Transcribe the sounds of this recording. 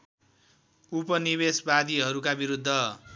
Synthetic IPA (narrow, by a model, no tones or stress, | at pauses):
upʌnibesbad̪iɦʌɾukabiɾud̪ʱːʌ